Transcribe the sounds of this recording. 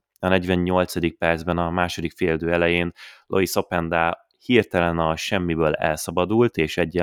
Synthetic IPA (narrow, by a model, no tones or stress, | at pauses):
ɒnɛɟvɛɲɲo̞lt̪sɒd̪ik̚pɛrdzbɛnɒmaːʃo̞d̪ikfeːrd̪øːɛlɛjeːnlʔo̞̰iso̞pɛnd̪aː | hirt̪ɛlɛnɒʃɛmːibøːlɛ̰lsɒbɒd̪ult̪eːʃɛɟːɛ